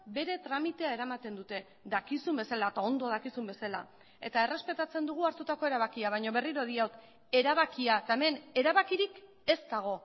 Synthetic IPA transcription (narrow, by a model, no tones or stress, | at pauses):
be̞ɾe̞t̪ɾamit̪e̞ae̞ɾamat̪e̞nd̪ut̪e̞ | d̪akisumbe̞salaet̪ao̞nd̪o̞ðakisumbe̞sala | e̞t̪ae̞re̞spe̞t̪at͡se̞nd̪uɣ̞uaɾt̪ut̪ako̞e̞ɾaβ̞akiaβ̞ajɲo̞βe̞riɾo̞ðiawt̪ | e̞ɾaβ̞akiaet̪aeme̞ne̞ɾaβakiɾik | e̞st̪aɣ̞o̞